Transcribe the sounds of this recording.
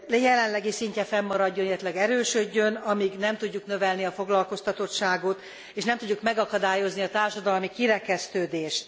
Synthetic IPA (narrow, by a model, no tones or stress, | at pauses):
jɛlɛnlɛɡisiɲcɛfɛmːɒɾɒɟːo̞neɛt̪lɛɡɛɾøːʃøɟːø̞nɒmiɡnɛmt̪uɟːuknø̞vɛlniɒfo̞ɡlɒlko̞st̪ɒt̪o̞t̪ʃaːɡot̪ | eːʃnɛmt̪uɟːukmɛɡɒkɒd̪aːjo̞zniɒt̪aːrʃɒd̪ɒlmikiɾɛkɛst̪øːd̪eːʃt̪